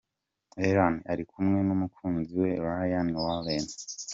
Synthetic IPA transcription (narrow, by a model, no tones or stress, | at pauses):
eɾaniaɾikumŋe̞numukʰuːnziwe̞βahajanŋiwaβeːne